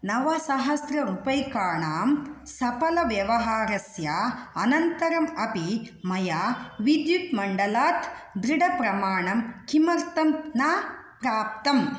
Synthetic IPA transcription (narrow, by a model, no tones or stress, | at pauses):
nɐʋasaɦɐsɾɐɾupɐjkaːɳaːmsɐpɐlɐʋjɐʋɐɦaːɾɐsjaːɐnɐnt̪ɐɾɐmɐpi | mɐjaːʋid̪jut̪mɐɳɖɐlaːt̪d̪ɾɪɽɐpɾɐmaːɳɐmkimɐɾt̪ɐmnaːpɾaːp̚t̪ɐm